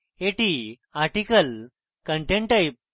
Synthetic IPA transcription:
eʈi | aɾʈikəl | kəɳʈẽɳʈajip̚

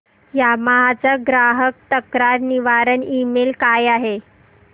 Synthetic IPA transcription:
jamaɦat͡saɡɾaɦək̚t̪əkɾaɾniʋaɾənimelkajaɦe

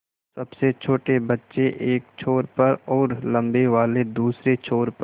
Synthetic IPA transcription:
sɐbset͡ʃʰoːʈebɐtːʃeʔeːk̚t͡ʃʰoːɾpɐɾɔːɾlɐ̃mbeʋaːled̪uːsɾet͡ʃʰoːɾp

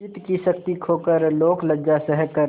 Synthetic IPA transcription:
ɪt̪kiʃəkt̪ikʰoːkəɾloːkləd͡ʒd͡ʒasɛɦəkːəɾ

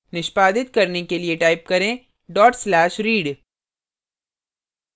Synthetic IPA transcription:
nɪʃpaːd̪ɪt̪kɐɾnekelieʈaːɪp̚kɐɾẽ | ɖɔːʈslɛːʃɾiːɖ

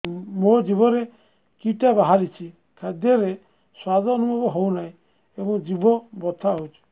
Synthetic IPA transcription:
mod͡ʒibɔɾe | kiʈabaɦaɾit͡ʃʰi | kʰad̪jɔɾe | swad̪ɔnubɔbɔɦownaĩ | ebɔŋd͡ʒibɔbɔt̪ʰaɦowt͡ʃʰu̥

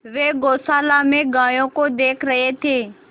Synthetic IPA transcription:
ʋeːɡoːsaːlamẽɡaːjõkod̪eːkʰɾəɦet̪ʰeː

